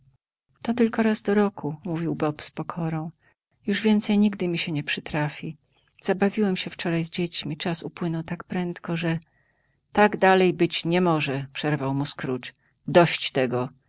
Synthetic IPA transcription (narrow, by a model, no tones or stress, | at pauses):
t̪ɔt̪ɘlkɔɾazd̪ɔɾɔkumuvʲiwbɔpspɔkʰɔɾɔ̃w̃ | juʐvʲjɛnt̪sɛjɲiɡd̪ɘmʲiɕɛɲɛpʂɘt̪ɾafʲi | z̥abavʲiwɛmɕɛft͡ʂɔɾajzd͡ʑet͡ɕmʲit͡ʂasupwɘnɔwt̪akpɾɛnt̪kɔʐɛ | t̪aɡd̪alɛjbɘt͡ɕɲɛmɔʐɛpʂɛɾvawmuskɾut͡ʂ | d̪ɔɕt͡ɕt̪ɛɡɔ